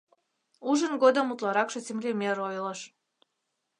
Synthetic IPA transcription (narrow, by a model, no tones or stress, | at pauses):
uʒənɡod̪əmut̪lɑɾɑkʃɤ̆zʲemlʲemʲeɾojlˠə̆ʃ